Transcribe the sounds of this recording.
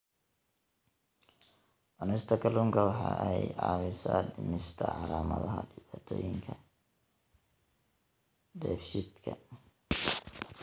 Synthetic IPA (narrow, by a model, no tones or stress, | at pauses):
ʔɔnɛst̪ʰɐkʰɐlʊŋkʰɐwɑħɑ̰ːʔɛjʕɑ̰ːmɪsaːdɪmɪst̪ʰɐʕɑlaːmɐðɐɦɐɖɪβaːt̪ʰɔːjɪŋkʰɐ | dɛːfʃɪd̪kʰɐ